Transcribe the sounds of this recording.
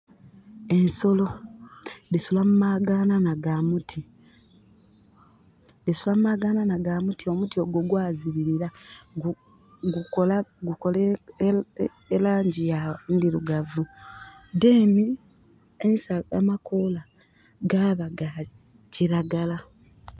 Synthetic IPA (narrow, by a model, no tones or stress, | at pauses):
e̞nso̞lo̞ | disulamumaɡananaɡamutʰi | disulammaɡananaɡamutʰio̞mutio̞ɡoɡwaːziβiɾiɾau | ɡukolaɡukole | elaːɲɟijandiɾuɡavudeːni | ensaa̰makʰola | ɡaːβaɡa | ciɾaɡala